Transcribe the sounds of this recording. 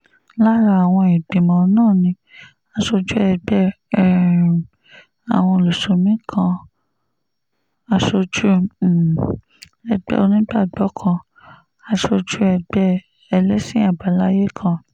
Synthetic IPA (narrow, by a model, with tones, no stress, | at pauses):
la˦ɾa˧a˨w̃ɔ̃˧i˨bĩ˨mɔ̃˨˦nãː˦˨nĩ˧ | a˧ʃo˧d͡ʒu˦ɛ˧ɡ͡bɛ˧˦˨ | a̰˨w̃ɔ̃˧o˨lo˨so˨mĩ˦kʰã˧ | a˧ʃo˧d͡ʒu˦˨ | ɛ˧ɡ͡bɛ̰˦o˧nĩ˦ɡ͡ba˦˨ɡ͡bɔ˨˦kʰã˧ | a˧ʃo˧d͡ʒu˦ɛ˧ɡ͡bɛ˦ | ɛ˧lɛ˦sĩ˦a˦˨ba˨˦la˦je˦kʰã˧